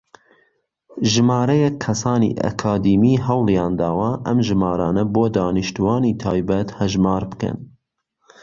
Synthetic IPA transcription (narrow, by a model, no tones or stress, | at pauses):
ʒɨmɑːɾɛjɛkʰːɐsɑːnḭːʔɛ̰kʰɑːd̪imiːɦɛwlˠjɑːnd̪ɑːwɑʔɐmʒɨmɑːɾɑːnɐboːd̪ɑːnɨʃt̪uwɑːniːt̪ʰɑːjbɛt̪hɛʒmɑːɾbɨ̥kɛ̰n